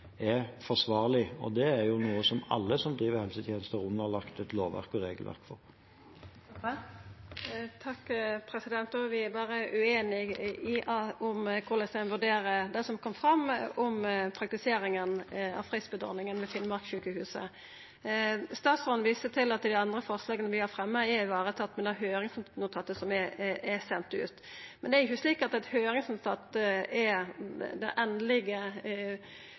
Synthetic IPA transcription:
ɛɾfɔʂʋɑːʁlɪɔ̰d̪ɛæɾjʊnuːəsɔmɑ̰lːəsɔmd̪ɾiːʋəɾhɛlsət̪ʰjeːnəst̪əɾʉnəʁlɑkt̪ɛt̪loːʋʋæ̰ʁkɔɾeːɡəlʋæ̰ʁkfɔɾ | t̪ʰɑkːpʰɾɛsɪd̪ɛnt̪oʋɪæbɑːɾəʔʉeːnɪɪʔɑʊmkʰʊʁlɛst̪ɛnʋʉɖ̪eːɾəd̪æsɔmkʰɔmːfʁɑmːɔmpʰɾɑkt̪ɪseːɾɪŋənɑ̰ʋfʁisbəd̪ɔ̰ʁnɪŋənʋɛfɪlmɑʁkʃʉːkəhʉːsə̰ | st̪ɑːt̪sɔnʋiːsət̪ʰɪlɑt̪ːɪld̪ɪɑnd̪ɾəfɔʁslɑːɡənəʋɪhɑɾfɾɛmːəɛɪʋɑːɾət̪ʰɑt̪ːmɛnd̪ɛhæɾɦøːɾɪŋsnnʊt̪ʰɑt̪ːəsɔmɛɛsɛnt̪ʉ̰ːt̪ | mɛnd̪ɛæɾɪçːəsliːkɑt̪ɛt̪høːɾɪŋsnt̪ʰɑt̪ːəɛ | d̪ɛ̰ʔɛnlɪɡə

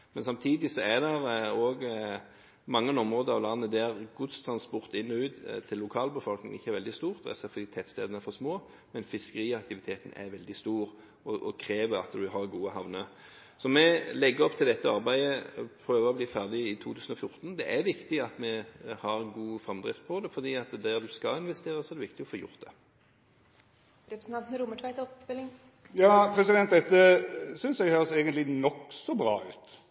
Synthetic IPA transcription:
mɛnsɑmt̪ʰiːd̪ɪsɔæd̪ɛɾoːɡ | mɑŋːənɔmʁoːd̪əɾɑʋlɑnːəd̪æɾɡʊd̪st̪ʰɾɑnspɔʁt̪ɪnːɔʉːd̪t̪ʰɪlːʊkʰɑːlbəfɔlknɪ̰ŋɪçːəɛɾʋɛld̪ɪst̪uːʁt̪d̪ɛ̰sɛfd̪iːt̪ʰɛt̪st̪eːd̪ənəfɔsmoː | mɛnfɪskəɾiːɑkt̪ɪʋɪt̪ʰeːt̪ən̩ɛ̰ɾʋɛld̪ɪst̪uːɾ | ɔʔɔkʰɾeːʋəɾɑ̰t̪d̪ʉɦɑʁɡuːəhɑʋnə | sɔmɛlɛɡːəɔpt̪ʰɪld̪ɛt̪ːəɑɾbæɪəpʰɾøːʋəɾɔbliːfæʁd̪ɪɪt̪ʰuːt̪ʰʉːsn̩ɔfjʊɾt̪n̩d̪ɛʔæɾʋɪkt̪ɪɑt̪mɛhɑɾɡuːfʁɑmd̪ʁɪ̰ft̪̚pʰɔd̪ɛfɔɾd̪iːɑt̪d̪æːʁd̪ʉskɑlɪnʋɛst̪eːɾəsɔɛʁd̪ɛʋɪkt̪ɪɔfoːjʊ̰ɾt̪̚d̪ɛ | ɾɛpɾsn̩ɑnt̪nəɾuməʈʰʋæɪt̪ɔpːfɪlɪŋ | jɑːpʰɾɛsɪd̪ɛnt̪̚d̪ɛt̪ːəsʏnsjæɡhøːʁseːɡənt̪lɪnɔksɔbɾɑ̰ːʉːt̪

